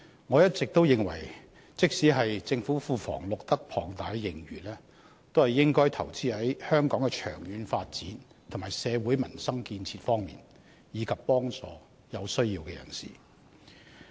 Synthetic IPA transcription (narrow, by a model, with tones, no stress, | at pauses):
ŋɔː˨˧jɐ˥t̚t͡sɪ˨k̚t̪o˥wjɪ˨ŋwɐ̰˨˩j | t͡sɪ˥k̚siː˨˥ɦɐ˨jt͡sɪ˧ŋfu˨˥fuː˨˧fɔ̰ː˨˩ŋlʊ˨k̚t̪ɐ˥k̚pʰɔː˨˩ŋt̪aː˨˥jːɪ˨˩ŋɥyː˨˩nlɛː˥ | t̪o˥whɐ˨jːɪ˥ŋkɔː˥jt̪ʰɐ˨˩wt͡siː˥hɐ˨˥jhœː˥ŋkɔː˨˥ŋkɛ˧t͡ʃʰœ̰ː˨˩ŋjyː˨˧nfaː˧t̚t͡siː˨˥n | t̪ʰʊ˨˩ŋmaː˨˩jsɛː˨˧wuː˨˥jmɐ˨˩nsɐ˥ŋkiː˧nt͡sʰiː˧tfɔː˥ŋmḭː˨n | jiː˨˧kʰɐ˨pːɔː˥ŋt͡sɔ̰ː˨ | jɐ˨˧wsɵ˥ɥjiː˧wkɛː˧jɐ̰˨˩nsḭː˨˩